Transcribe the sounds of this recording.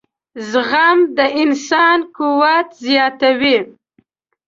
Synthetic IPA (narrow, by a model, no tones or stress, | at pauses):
zɣamd̪əʔɪnsɑnkuwat̪zjɑt̪awi